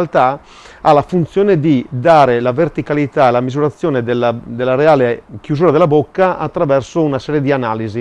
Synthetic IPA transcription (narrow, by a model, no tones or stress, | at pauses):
alt̪a | alafunt̪sjoːned̪id̪aːɾelavert̪ikalit̪aelamizuɾat̪sːjoːned̪elːad̪elːaɾeaːlek̟juzuːɾad̪elːabokːaʔat̪ːɾavɛrsounasɛːɾjed̪ianaːlizi